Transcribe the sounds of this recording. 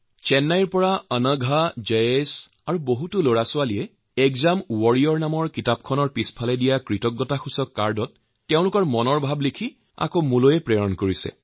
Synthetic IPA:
t͡ʃɛnːajɹpɔɹaənəɡʱad͡ʒees | aɹuboɦutʊloɹasʊalijɛ | ɛkzamuwɔɹijɔɹnamɔɹkitap̚kʰɔnɔɹpispʰalɛdijakɹitɔɡːɔtaxusɔkːaɹdɔtː | ɛʊ̃lʊkɔɹmɔnɔɹbʱablikʰi | a̰komulojɛpɹɛɹɔnkoɹisɛ̰

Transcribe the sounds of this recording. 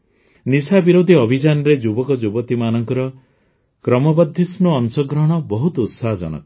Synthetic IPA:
nisabiɾod̪ʱiɔbʱid͡ʒanɔɾed͡ʒubɔkɔd͡ʒubɔt̪imanɔŋkɔɾɔ | kɾɔmɔbɔd̪ʱːisnuɔnsɔɡɾɔɦɔɽ̃ɔbɔɦut̪ɔut̪saɦɔd͡ʒɔ̰ɽ̃ɔ̰k

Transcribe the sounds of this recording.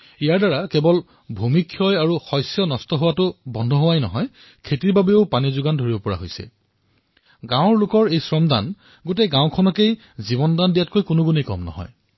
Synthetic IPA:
ijaɹdaɹakebɔl | bʱumikʰjɔjaɹuxɔjsjɔnɔstɔɦʊwatʊbɔndʱɔɦowajnɔ̰ɦɔj | kʰetiɹbabeoʊpanizʊɡandʱoɹibɔpɔɹa̰ɦojsɛ̰ | ɡãʊ̃ɹlʊkɔɹejsɹɔmdan | ɡoteɡãw̃kʰɔnɔkej | zibɔndandijat̚kojkʊnʊɡunejkɔ̰mnɔ̰ɦɔ̰j

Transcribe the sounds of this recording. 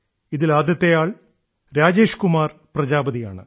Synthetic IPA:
iðilaːd̪jɐt̪ːejaːɭ | ɾaːd͡ʑe̞ːʂkumaːrprɐd͡ʑaːbɐðija̰ːɳɨ̰

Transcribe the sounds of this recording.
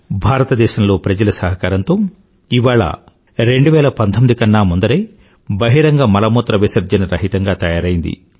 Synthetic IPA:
bʱaːɾɐt̪ɐd̪ɛːʃɐmlo̞ːpɾɐd͡ʒɐlɐsɐɦɐkaːɾɐnt̪o̞ː | iʋaːɭɐ̰ | ɾe̞ɳɖuʋɛːlɐpɐnt̪ʰomid̪ikɐnːaːmund̪ɐɾej | bɐɦiɾɐŋɡɐmɐlɐmoːt̪ɾɐʋisɐɾd͡ʒɐnɐɾɐɦit̪ɐŋɡaːt̪ɐjaːɾɐjind̪ḭ

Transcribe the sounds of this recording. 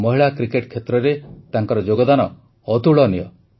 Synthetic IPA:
mɔɦiɭakɾikeʈkʰet̪ɾɔɾet̪aŋkɔɾɔd͡ʒoɡɔd̪anɔ | ɔt̪uɭɔnijɔ

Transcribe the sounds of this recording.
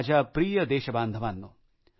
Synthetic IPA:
d͡ʒapɾiːjɐd̪eːʃɐbaːnd̪ʱɐʋaːnːo

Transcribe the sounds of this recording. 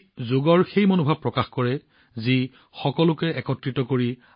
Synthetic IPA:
zoɡɔɹxejmonobʱab̚pːɹɔkaxkɔɹɛ | zi | xɔkɔlʊkɛɛkɔtɹitɔkoɹi

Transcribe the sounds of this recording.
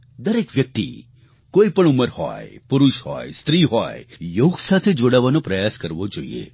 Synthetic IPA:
d̪əɾekʋjək̚t̪ḭ | koipəɳuməɾhɔ̰jpuɾuʃhɔ̰jst̪ɾiɦɔjejoɡsat̪ʰed͡ʒoɽaʋanopɾəjaskəɾʋod͡ʒoḭḛ

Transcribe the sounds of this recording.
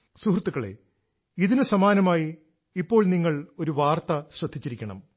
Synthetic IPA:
suhrɐt̪ːuɣɐɭe̞̰ | iðinɨsɐmaːnɐmaːji | ipːo̞ːɭniŋːɐɭo̞ɾuʋaːrt̪ɐɕrɐd̪ʱːit͡ɕːiɾikʲːɐɳɐ̰m

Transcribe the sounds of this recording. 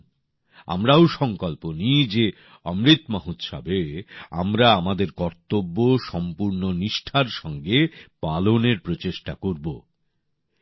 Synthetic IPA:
a̰mɾaoʃɔŋkolponid͡ʑe | ɔmɾit̪maɦut̪ʃa̰bea̰mɾaamad̪eɾkɔɾt̪obːoʃɔmpuɾnoniʃʈʰaɾʃɔŋɡepaloneɾpɾot͡ɕeʃʈakoɾbo

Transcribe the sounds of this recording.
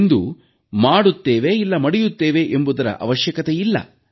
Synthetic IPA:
nd̪ṵ | maːɽut̪ːeːʋeilːɐmɐɽijut̪ːeːʋe̞ʔembud̪ɐɾɐ̰ʔɐ̰ʋɐʃjɐkɐt̪ejilːɐ̰

